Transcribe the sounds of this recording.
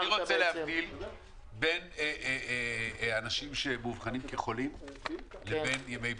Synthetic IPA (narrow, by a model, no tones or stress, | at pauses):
iʁot͡selehavdil | be̞ne | anaʃimʃe̞muvχanimkeχo̞limlebe̞njemej